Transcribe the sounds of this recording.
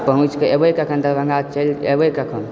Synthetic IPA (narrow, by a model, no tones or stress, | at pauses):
pəɦũt͡ʃkeebəjkəkʰənd̪əbə̃ŋɡat͡ʃəlebəjkəkʰən